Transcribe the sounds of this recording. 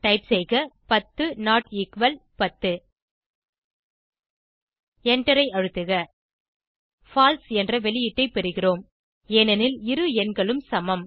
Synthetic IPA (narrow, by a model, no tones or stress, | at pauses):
ʈɐɪpsɛɪɣɐpɐt̪ːɯnaːʈiːkʋɐlpɐt̪ːɯ | ɛɳʈɐɾɐɪɐɻɯt̪ːɯɣɐ | faːlsɛndrɐʋɛlɪjɪʈːɐɪpɛɾɯɣɪroːm | ɛːnɐnɪlɪɾɯɛnɡɐɭɯmsɐmɐm